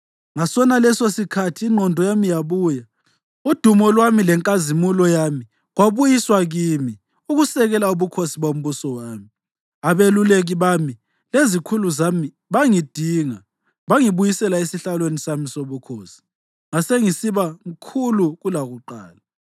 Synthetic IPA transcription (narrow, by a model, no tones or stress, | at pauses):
ŋasɔnalɛsosikʰatʰiːŋ͡ǃʱɔndʱɔjamijaβuːja | ud̥ʱumɔlwamilɛŋkʼazimulɔjami | ɣwaβujiswaɣimi | uɣusɛɣɛlauβukʰosiβom̩βusɔwaːmi | aβeluleɣiβami | lezikʰuluzami | βaŋid̥ʱiŋa | βaŋiβujisɛlaesiɬalwenisamisoβukʰoːsi̥ | ŋaseŋisiβaŋ̩kʰuluɣulaɣuǃa̰ːla